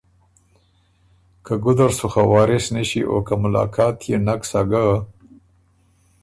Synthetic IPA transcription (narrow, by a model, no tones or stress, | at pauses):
kaɡʊd̪aɾsuxawɑːɾɪsnəʃiʔo̰kamʊlɑ̰ːkʰɑːt̪ʰjenaksaɡa